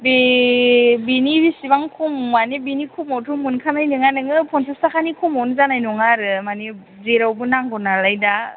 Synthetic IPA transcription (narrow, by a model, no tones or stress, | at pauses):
be | binibisibaŋkʰummanebinikʰumɔwtʰumunkʰanajnɯŋanɯŋɯpʰɔnsestakʰanikʰumɔwnɯzanajnɔŋaɾɯmani | zeɾawbɯnaŋɡɔnalajda